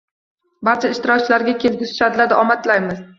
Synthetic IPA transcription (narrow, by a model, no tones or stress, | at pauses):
baɾt͡ʃʰaɪʃt̪ɪɾɒk̚ʲt͡ʃʰɪlaɾɡʲakʲʰe̞lɡʲɪsʊ̥ʃad̪ɪlad̪ɪɒmat̪lajmɪz